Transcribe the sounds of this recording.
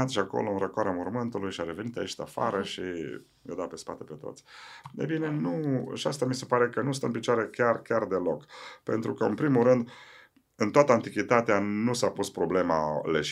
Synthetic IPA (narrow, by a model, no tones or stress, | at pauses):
at̪ʃiako̞̰loɨnrəkoaɾamurmɨnt̪ulujʃaɾe̞ve̞nit̪ait͡ʃd̪a̰fa̰ɾəʃi | jed̪at̪pe̞spa̰t̪e̞pe̞t̪o̞̰t̪sʲḛjbine̞nuʃiast̪amise̞paɾe̞kənust̪ə̰ɨnpit͡ʃoaɾe̞kʲarkʲard̪e̞lo̞kpe̞̰nt̪ɾukəɨnpɾimulɾɨnd̪ | ɨnt̪oat̪əant̪ikʲit̪at̪eanusapuspɾoble̞maleʃ